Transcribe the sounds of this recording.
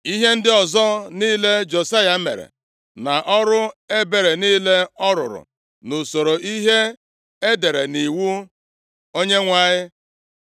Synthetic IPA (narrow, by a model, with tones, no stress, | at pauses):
i˦ɦe˦n̩˦dɪ˦ɔ˨zɔ˦niː˦le˦d͡ʒo˨sa˦ja˦mḛ˨ɾḛ˨ | na˨ʔɔ˦ɾʊ˦e˦be˨ɾe˨niː˦le˦ɔ˦ɾʊ̰˨ɾʊ̰˨ | no˨so˨ɾo˨ʔi˦ɦe˦ | e˦de˨ɾe˨ni˨wu˦ | o˦ɲe˦ŋʷa˦˨ɲɪ˦